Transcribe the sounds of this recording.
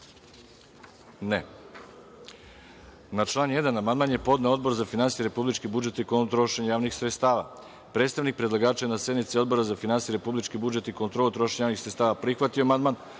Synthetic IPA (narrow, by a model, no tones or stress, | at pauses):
ne | nat͡ʃlˠaːnjed̪anamand̪maːnjepo̞d̪neo̞d̪̚bo̞ɾzafinansijeɾe̞publit͡ʃkibud͡ʒe̞t̪ikot̪ɾo̞ʃeɲajaːʋnixsɾet̪st̪aːʋa̰ | pɾe̞ːt̪st̪aʋnik̚pɾedlˠaɡaːt͡ʃenase̞d̪nit̪sio̞d̪bo̞ɾazafinansijeɾe̞publit͡ʃkibud͡ʒe̞t̪ikont̪ɾolut̪ɾo̞ʃeɲejaʋnixsɾet̪st̪aːʋapɾixʋat̪ioamand̪man